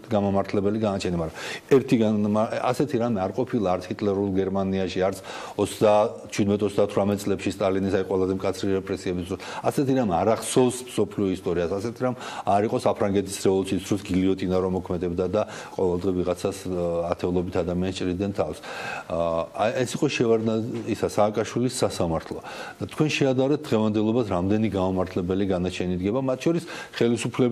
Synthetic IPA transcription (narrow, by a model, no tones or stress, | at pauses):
ɡamamaɾt̪ʰlɛbɛliɡanat͡ʃʰɛnimaɾaɛɾt̪ʰiɡaaasɛt̪ʰiɾamɛaɾqʼɔpʰilˠaːɾt̪ʰit̪ʼlɛɾulˠɡɛɾmaniaʃiaɾt̪sʰ | ɔt̪sd̪a | t͡ʃʰwid̪mɛt̪ʰɔt̪sʰd̪at̪ʰwɾamɛt̪sʼlɛpʃist̪ʼalinisaiqʼwɛlˠazɛmkʼat̪sʰɾiɾɛpʼɾɛsiɛbisd̪ɾɔsasɛt̪ʰiɾamaɾaχsɔvsmsɔpʰliɔist̪ʼɔɾiasasɛt̪ʰiɾamaɾiqʼɔsapʰɾaŋɡɛt̪ʰi̥sɾɛɔlˠt͡ʃisd̪ɾɔsɡiliɔt̪ʼinaɾɔmɔkʰmɛd̪ɛbd̪ad̪a | qʼɔvɛlˠd̪ʁɛviʁat̪sʰasat̪ʰɛulˠɔbit̪ʰad̪amianst͡ʃʼɾid̪ɛnt̪ʰafs | ɛsiqʼɔʃɛaɾaisasaːkʼaʃwilisːasamaɾt̪ʰlˠɔ | dd̪̥at̪ʰkwɛnʃɛad̪aɾɛt̪̚d̪ʁɛvand̪ɛlˠɔbasɾamd̪ɛniɡaumaɾt̪ʰlɛbɛliɡanat͡ʃʰɛnid̪ɡɛbamat̪ʰʃʰɔɾisχɛlisupʰlɛ